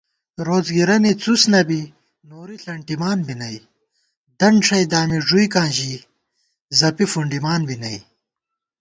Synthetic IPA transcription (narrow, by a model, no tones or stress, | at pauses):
ɾoːzɡiɾɐnit͡susnɐbi | noːɾiɬɐɳʈimaːnbinɐj | d̪ɐɳɖʂɐjd̪aːmiʐujkãːʑi | zɐpifuɳɖimaːnbinɐj